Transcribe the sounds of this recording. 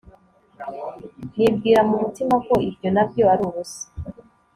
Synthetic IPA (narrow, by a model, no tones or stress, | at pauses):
nib̚ɡiːɾamumutimako̞ibjo̞nabjo̞aɾuβuse̥